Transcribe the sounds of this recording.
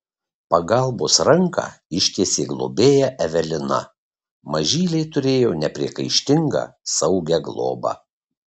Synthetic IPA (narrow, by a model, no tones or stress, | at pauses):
pɐɡɐlˠboːsɾɐŋkɑ̰ɪʃʲkʲeːsʲeːɡlˠo̰ːbʲeːjɛʔɛʋʲɛlʲɪnɐ̰ | mɐʒʲiːlʲɛɪt̪ʊɾʲeːjoːnʲɛpʲɾʲiɛkɐɪʃʲt̪ʲɪŋɡɑ̰ːsɐʊɡʲɛɡlˠo̰ːbɑ̰